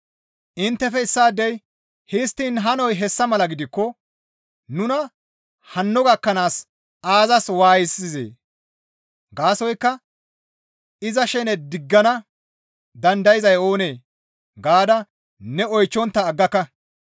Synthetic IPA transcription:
ʔɪnt̪ːɛfɛɪsːaːd̪ːɛj | hɪst̪ːiːnɦɐnɔjɦɛsːɐmɐlɐɡɪd̪ɪkːɔ | nʊnɐ | hɐnːɔɡɐkːɐnaːs | aːzɐswaːjɪsːɪzḛː | ɡaːsɔjkːɐ | ɪzɐʃɛnɛd̪ɪɡːɐnɐ | d̪ɐnd̪ɐjɪzɐjo̞ːne̞ː | ɡaːd̪ɐ | nɛɔjt͡ʃːɔnt̪ːɐːɡːɐkːɐ

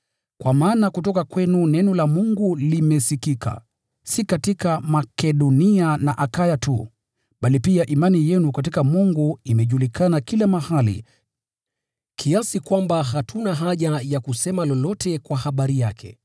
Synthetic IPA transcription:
kwamaːnakutɔkakwɛnunɛnɔlamuŋɡulimɛsikikʰa̰ | sikatikamakɛɗɔnianaʔakajatṵ | ɓalipiaʔimanijɛnukat̬ikamuŋɡuimɛʄulikanakilamahalḭ | kʰiasikwambaɦatʰunaɦaʄajakusɛmalɔlɔtʰɛkwahaɓaɾijakʰɛ̰

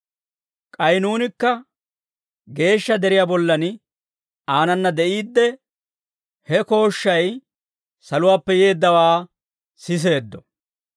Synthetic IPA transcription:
kʼɐjnuːnɪkːɐ | ɡe̞ːʃːɐd̪ɛɾɪjaːbɔlːɐn | aːnɐnːɐd̪ɛʔiːd̪ːɛ | hɛko̞ːʃːɐj | sɐlʊwaːpːɛje̞ːd̪ːɐwaː | sɪs̬e̞ːd̪ːɔ

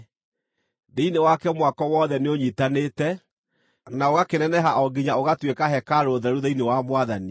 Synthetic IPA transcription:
deinewakɛmwakɔwɔðɛneoɲitanetɛ | naoɣakenɛnɛɦaʔɔɡiɲaoɣatwekaɦɛkaɾoðɛɾuðɛinewamwaðani

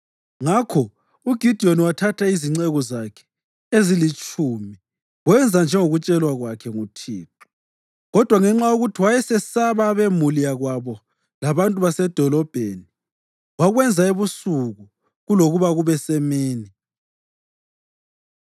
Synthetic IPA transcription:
ŋakʰɔ | uɡ̥ʱid̥ʱioniwatʰatʰaiziŋ͡ǀɛɣɔzakʰɛ̥ | ezilit͡ʃʼumi | wɛnd͡zʱand͡ʒʱɛŋoɣut͡ʃʼɛlwaɣwakʰɛŋutʰḭːt̚ʰu̥ | ɣɔd̥ʱwaŋɛŋ͡ǁajuɣutʰiwajɛsɛsaβaβemulijaɣwaβɔ | laβantʼuβasɛd̥ʱɔlɔb̥ʱeni | waɣwɛnd͡zʱaeβusuɣu | ɣuloɣuβaɣuβɛsɛmeːni

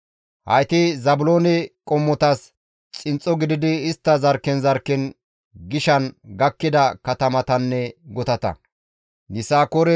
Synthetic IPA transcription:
hɐ̰jt̪ɪzɐbʊloːnɪkʼɔmːɔt̪ɐs | t͡sʼɪnt͡sʼːɔɡɪd̪ɪd̪ɪːst̪ːɐzɐɾkɛnzɐɾkːɛn | ɡɪʃɐnɡɐkːɪd̪ɐkɐt̪ɐmɐt̪ɐnːɛɡɔt̪ɐt̪ɐ̰ | nɪsaːkoɾɛ

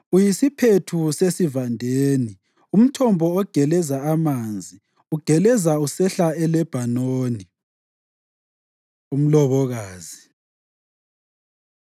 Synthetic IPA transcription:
ujisipʰetʰusesivandʱeːni | um̩tʰɔmbʱɔːɡ̥ʱɛlɛzaamaːnd͡zʱi | uɡ̥ʱɛlɛzausɛɬaɛlɛb̥ʱanoːni | um̩lɔβɔɣaːzi

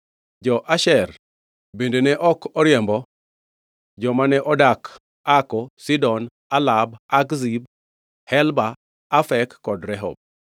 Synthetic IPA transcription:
d͡ʒɔʔaʃɛr | bendenɛʔɔkɔɾjɛmbɔ | d͡ʒɔmanɛʔɔdak | akɔsidɔn | alabakzib̚ | hɛlba | afɛkːɔdɾɛɦɔ̰b̚

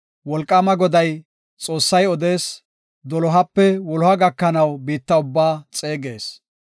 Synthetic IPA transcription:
wɔlkʼːɐmɐɡɔd̪ɐj | t͡sʼo̞ːsːɐjɔd̪e̞ːs | d̪ɔlɔɦɐpːɛwɔlɔhɐɡɐkːɐnɐwbiːt̪ːɐʊbːaːt͡sʼe̞ːɡe̞ːs

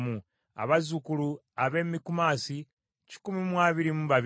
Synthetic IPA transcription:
mu | a̰βazukulu | aβe̞ːmikumasi | ci̥kumimwaːβiɾimuβaβ

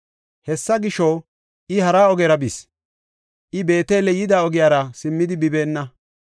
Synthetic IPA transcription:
hɛsːɐɡɪʃo | ɪhɐɾaːɔɡeɾɐbis | ʔɪbe̞ːt̪eːlɛjɪd̪aːɔɡɪjaːɾɐsɪmːɪd̪ɪbɪbe̞ːnːɐ

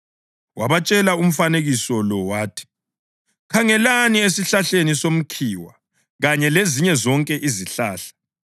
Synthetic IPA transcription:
waβat͡ʃʼɛlaum̩faneɣisɔlɔwaːtʰi̥ | kʰaŋɛlaniesiɬaɬenisom̩kʰiːwa | ɣaɲɛleziɲɛzɔŋkʼɛʔiziɬaːɬḁ

